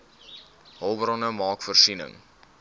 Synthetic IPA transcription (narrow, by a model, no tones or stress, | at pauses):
ɦɐlˠbəɾɔnəmɑːkfərsinə̰ŋ